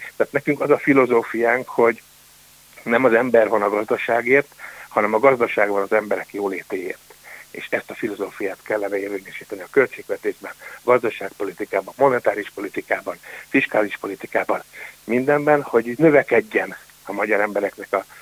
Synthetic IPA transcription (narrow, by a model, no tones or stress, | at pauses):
t̪aːt̪nɛkyŋkɒzɒfilo̞zoːfijaːŋkho̞ɟ | nɛmɒzɛmbɛrvɒnɒɡɒzd̪ɒʃaːɡeːrt̪hɒnɛmɒɡɒzd̪ɒʃaːɡvɒnɒzɛmbɛɾɛkjoːleːt̪eːjeːrt̪ḛːʃɛst̪ɒfilo̞zoːfijaːt̪kɛlːɛnɛeːrveːɲɛʃiːt̪ɛniɒkø̞lt͡ʃeːɡʋɛt̪eːʒbɛnɡɒzd̪ɒʃaːk̚po̞lit̪ikaːbɒmmo̞nɛt̪aːɾiʃpo̞lit̪ikaːbɒnfiʃkaːliʃpo̞lit̪ikaːbɒnmind̪ɛmbɛnho̞ɟnø̞vɛkɛɟːɛn | ɒmɒɟɒɾɛmbɛɾɛknɛkɒ